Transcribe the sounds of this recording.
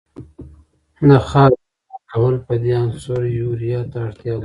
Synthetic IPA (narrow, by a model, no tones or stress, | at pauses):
naxɑː | akawəlpəd̪eansoɾjuɾijɑt̪aːɽt̪jɑl